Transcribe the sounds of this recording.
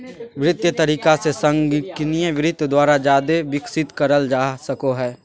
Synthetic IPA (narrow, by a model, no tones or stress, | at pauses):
ʋɾɪt̪jət̪ɐɾiːkasesɐ̃ŋɡkɪnijəʋɪɾɪt̪ːd̪waːɾad͡ʒaːd̪eʋɪksɪt̪kɐɾəld͡ʒaːsɐkoɦɛː